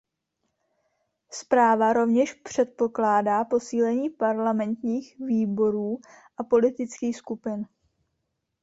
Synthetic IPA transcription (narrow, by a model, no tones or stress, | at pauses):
spɾaːvaɾo̞vɲɛʃpr̝̥ɛt̪̚po̞klaːdaːpo̞siːlɛɲiːpaɾlamɛnt̪ɲiːxviːbo̞ɾuː | ʔapo̞lɪt̪ɪt͡skiːxskupɪn